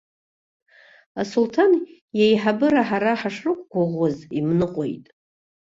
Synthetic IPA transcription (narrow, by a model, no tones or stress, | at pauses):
asultʰan | jejħabɨɾaħaɾaħaʂrɨkʷʼɡʷaʁozimnɨqʼo̞jtʼ